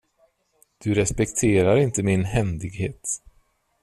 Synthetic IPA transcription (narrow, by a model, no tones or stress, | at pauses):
d̪̥ɵɾɛspɛkt̪ʰeːɾaɾɪnt̪əmɪnɦɛmd̪ɪɡheːt̪